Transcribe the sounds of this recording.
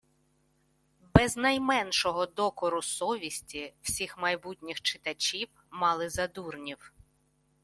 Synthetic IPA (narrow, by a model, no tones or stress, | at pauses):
bɛznɐjmɛnʃɔɦɔd̪ɔkɔɾʊsɔʋʲisʲtʲiw̥sʲixmɐjbutʲnʲixt͡ʃɪt̪ɐt͡ʃʲiw | mɑlˠɪzɐd̪urnʲiw